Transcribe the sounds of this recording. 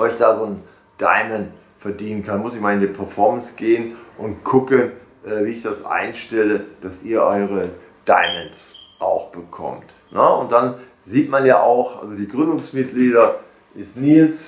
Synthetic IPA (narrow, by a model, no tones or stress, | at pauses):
ʔɔʏçd̥aːzoːn | d̥a̰ɪmɛnt | fɛɐdiːnənkʰanmʊsɪçmaɪndipʰɛɐfɔɐmənsɡ̥eːənʔʊntkʰʊkən | ʔɛːviːɪçd̥asʔa̰ɪnʃtɛləd̥asʔiːɐʔɔʏʁ̞ə | d̥a̰ɪmɛnsʔa̰ʊxb̥əkʰɔ̰mt | nəʊ̰nt̚d̥an | ziːtmanjaːʔa̰ʊxʔa̰lzodiːɡʁʏndʊŋsmɪt̚ɡ̥liːɾɐ | ʔɪstniːls